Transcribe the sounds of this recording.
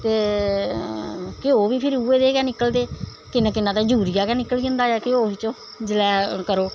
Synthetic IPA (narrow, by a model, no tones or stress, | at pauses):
t̪eː | keoːʋiːpʰɪɾuːeːd̪eːkɛːnɪkːəld̪eː | kɪnãːkɪnːãːt̪aːd͡ʒuːɾijaːkɛːnɪkːəliːə̃ːnd̪aːaːkɪoːbiːt͡ʃõː | d͡ʒɪlɛːkəɾoː